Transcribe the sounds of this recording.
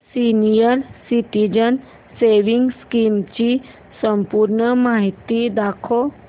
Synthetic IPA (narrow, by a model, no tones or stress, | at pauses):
siːnijəɾsiʈid͡ʒən | seːʋɪ̃ŋɡskiːmt͡ʃi | sə̃mpuːɾɳəmaːɦit̪id̪aːkʰo